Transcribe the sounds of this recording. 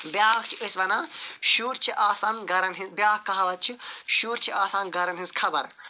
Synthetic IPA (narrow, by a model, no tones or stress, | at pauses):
bjaːkt͡ʃʰiəsʋɐnaːʃuːɾt͡ʃʰiʔaːsaːnɡɐɾɐnɦizbʲjaːkkːɐɦɐʋɐt̪̚t͡ʃʰiʃuːɾt͡ʃʰiaːsaːnɡɐɾɐnɦĩzkʰɐbɐɾ